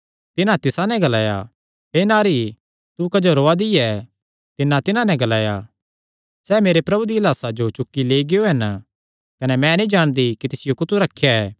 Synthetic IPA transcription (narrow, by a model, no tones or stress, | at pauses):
t̪ɪnãt̪ɪsãnɛ̃ɡɐlaːja̰ | ɦeːnaːɾi | t̪ukɐd͡ʒoɾoːad̪ɪjɛ | t̪ɪnːãt̪ɪnãnɛ̃ɡɐlaːja | sɛːmeːɾepɾɐbud̪iɐlaːsad͡ʒot͡ʃʊkːileːiɡejoɦɐn | kɐnɛmɛ̃nĩd͡ʒaːɽ̃d̪ikit̪ɪsɪjokʊt̪uɾɐkʰːjaɛː